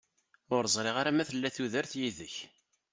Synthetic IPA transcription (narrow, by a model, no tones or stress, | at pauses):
ʊɾəzˤɾˤɪʁaɾæmæθəlːæθuðəɾθjiðəç